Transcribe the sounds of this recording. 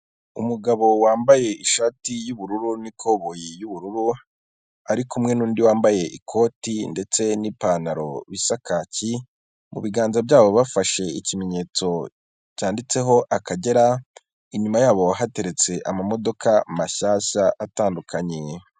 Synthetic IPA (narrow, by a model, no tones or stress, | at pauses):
ṵmuɡaβo̞waːmbaje̞ʔiʃatijuβuɾuɾunikʰo̞βojijuβuɾuɾu | aɾikumŋe̞nuːndiwaːmbaje̞ʔikʰo̞ːtinde̞t͡se̞nipaːnaɾo̞̰βisakaci | mṵβiɡaːnzabjaːβo̞βafaʃe̞icime̞ɲe̞ːt͡so̞ | caːndit͡se̞ɦo̞ʔakaɟe̞ɾa | iɲumajaːβo̞ɦate̞ɾe̞t͡se̞ʔamamo̞do̞kʰamaçaːçaataːndukʰaɲe̞